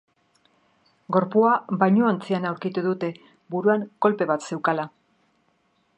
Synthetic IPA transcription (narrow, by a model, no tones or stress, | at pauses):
ɡo̞ɾpuabajɲoont͡sianawɾkit̪uðut̪e̞ | buɾuaŋko̞lpe̞βat̪se̞wkala